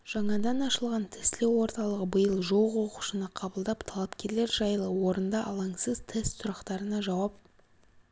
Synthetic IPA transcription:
ʒ̥ɑɴɑd̪ɑnɑʃəlˠʁɑnt̪ʰɪst̪lewo̞ɾt̪ɑlˠəʁəbəjəlˠʒo̞lˠʁwo̞qu̥ʃənəqʰɑbəlˠd̪ɑpt̪ʰɑlˠɑpkʲʰe̞ɾle̞ɾʒɑjəlˠəwo̞ɾənd̪ɑʔɑlˠɑŋsəz̥t̪ʰest̪sʊɾɑqt̪ɑɾənɑʒɑwɑp̚

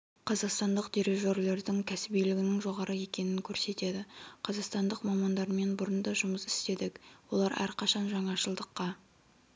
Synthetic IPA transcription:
qʰɑzɑqst̪ɑnd̪əqd̪iɾeʒo̞ɾle̞ɾd̪ɪŋkʲʰæsɪbijlɪɡʲɪnɪŋʒo̞ʁɑɾʔəje̞kʲe̞nɪŋkʲʰɵɾse̞t̪e̞d̪ɪqʰɑzɑqst̪ɑnd̪əqmɑmɑnd̪ɑɾme̞nbʊɾənd̪ɑʒʊməsɪ̥st̪e̞d̪ɪkwo̞lˠɑɾæ̰ɾqʰɑʃɑnʒɑɴɑʃəlˠd̪əqːɑ

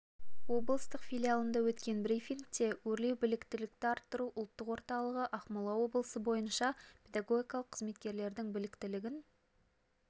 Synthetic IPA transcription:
wo̞blˠəst̪əqfʲilʲijalˠənd̪ɑwɵt̪kʲe̞nbɾijfiŋk̚t̪e̞wɵɾle̞wbɪlɪkt̪ɪlɪk̚t̪ɪɑɾt̪ːəɾuʔʊlˠt̪ːəqwo̞ɾt̪ɑlˠəʁəʔɑχmɑlˠɑwo̞blˠəsəbo̞jənʃɑpʲʰe̞d̪aɡo̞ɡʲijkɑlˠəqʰəzme̞t̪kʲe̞ɾle̞ɾd̪ɪŋbɪlɪkt̪ɪlɪɡʲɪn

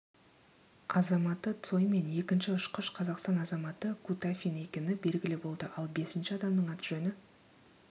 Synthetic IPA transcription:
ɑzɑmɑt̪ːət̪so̞jme̞ne̞kʲɪnʃɪʊʃqəʃqʰɑzɑqst̪ɑnɑzɑmɑt̪əkʰut̪afʲine̞kʲe̞nɪbe̞lɡʲɪlɪbo̞lˠd̪əʔɑlˠbe̞sɪnʃɪɑd̪ɑmd̪əɴɑt̪ʒɵnɪ

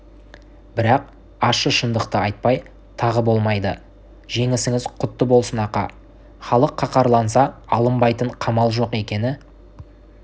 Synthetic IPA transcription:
bɪɾɑq̚ | ɑʃəʃənd̪əqt̪əɑjt̪̚pɑj | t̪ʰɑʁəbo̞lˠmɑjd̪ə | ʒe̞ŋɪsɪŋɪzqʰʊt̪ːəbo̞lˠsənɑqɑ̰ | χɑlˠəqʰːɑqʰɑɾlˠɑnsɑɑlˠəmbɑjt̪əɴqʰɑmɑlˠʒo̞qe̞kʲe̞nɪ

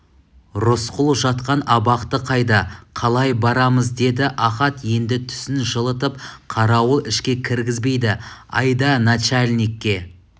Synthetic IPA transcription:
ɾʊsqʰʊlˠʒɑt̪qɑnɑbɑqt̪əqʰɑjd̪ɑqʰɑlˠɑjbɑɾɑməzd̪e̞d̪ɪʔɑχɑt̪je̞nd̪ɪt̪ʰʏ̥sɪnʒəlˠət̪əpqʰɑɾɑwəʔɪʃkʲe̞kʲʰɪɾɡʲɪzbe̞jd̪ɪɑ̰jd̪ɑnat͡ʃalʲnekʲːe̞

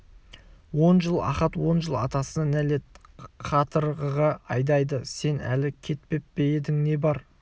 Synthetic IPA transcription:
wo̞nʒəlˠɑ̰χɑt̪wo̞nʒəlˠɑ̰t̪ɑsənæle̞t̪̚qʰɑt̪əɾʁəʁɑɑjd̪ɑjd̪əse̞næ̰lɪkʲʰe̞t̪̚pe̞p̚pejed̪ɪŋne̞bɑɾ

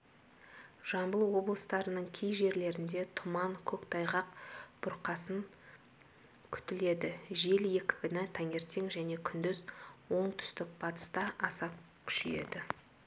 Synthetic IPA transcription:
ʒ̥ɑmbəlˠwo̞blˠəst̪ɑɾənəɴkʲʰejʒe̞ɾle̞ɾɪnd̪e̞t̪ʰʊmɑŋkʲʰɵkt̪ʰɑjʁɑq̚b̥ʊɾqɑsəŋ | kʲʰʏ̥t̪ɪle̞d̪ɪʒe̞lje̞kʲɪ̥bɪnɪt̪ʰæŋe̞ɾt̪e̞ŋʒæne̞kʲʰʏnd̪ʏzwo̞ɴt̪ʰʏ̥st̪ɪk̚bɑt̪ə̥st̪ɑɑsɑp̚ | kʲʰʏ̥ʃeje̞̰d̪ɪ

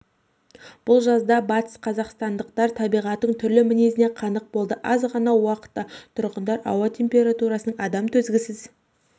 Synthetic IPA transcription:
b̥ʊlˠʒɑzd̪ɑbɑt̪ə̥sqʰɑzɑqst̪ɑnd̪əqt̪ɑɾt̪ʰɑbijʁɑt̪ːəɴt̪ʰʏɾlɪmɪnezɪneqʰɑnəq̚bo̞lˠd̪əʔɑzʁɑnɑwɑqə̥t̪ːɑt̪ʰʊɾʁənd̪ɑɾɑ̰wɑt̪ʰʲe̞mpʲe̞ɾat̪uɾɑsənəɴɑd̪ɑmt̪ʰɵzɡʲɪsɪz

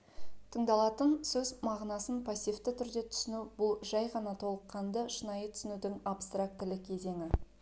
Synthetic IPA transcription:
t̪ʰəɴd̪ɑlˠɑt̪ənsɵzmɑʁnɑsənpʰasʲijft̪ɪt̪ʰʏɾd̪e̞t̪ʰʏ̥sɪnubʊlˠʒɑjʁɑnɑt̪ʰo̞lˠəqːɑnd̪əʃənɑjət̪ʰʏ̥sɪnud̪ɪŋapst̪rak̚t̪lɪk̚ʲʰe̞ze̞ŋɪ

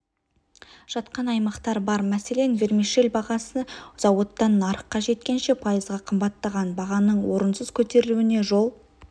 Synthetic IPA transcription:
ʒ̥ɑt̪qɑnɑjmɑqt̪ɑɾbɑɾmæse̞le̞nve̞ɾmiʃelʲbɑʁɑsəz̥ɑwot̪ːɑnːɑɾəqːɑʒe̞t̪̚kʲe̞nʃe̞pʰɑjəzʁɑqʰəmbɑt̪ːɑʁɑnbɑʁɑnəɴwo̞ɾənsəz̥kʲʰɵt̪e̞ɾɪluɪne̞ʒo̞lˠ

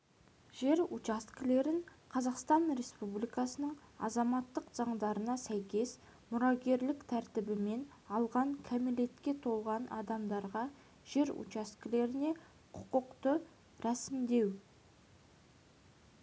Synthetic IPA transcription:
ʒ̥e̞ɾut͡ʃaskʲɪle̞ɾɪŋqʰɑzɑqst̪ɑnɾe̞spublijkɑsənəɴɑ̰zɑmɑt̪ːəqzɑɴd̪ɑɾənɑsæjkʲe̞s | mʊɾɑɡʲe̞ɾlɪkt̪ʰæɾt̪ɪbɪme̞n | ɑlˠʁɑŋkʲʰæmele̞t̪kʲe̞t̪ʰo̞lˠʁɑnɑ̰d̪ɑmd̪ɑɾʁɑ | ʒ̥e̞ɾṵt͡ʃaskʲɪle̞ɾɪne̞ | qʰʊ̥qəqt̪ə | ɾæsɪmd̪e̞w

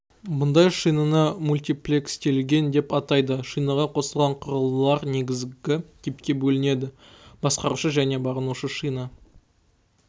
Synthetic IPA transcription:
bʊnd̪ɑjʃijnənəmulʲt̪ijplʲekst̪e̞lɡʲe̞nd̪e̞pɑt̪ɑjd̪əʃijnɑʁɑqʰo̞səlˠʁɑɴqʰʊɾəlˠːɑɾne̞ɡʲɪzɡʲɪt̪ʲʰepkʲe̞bɵlɪne̞d̪ɪ | b̥ɑsqɑɾuʃəʒæne̞bɑʁənuʃəʃijnə

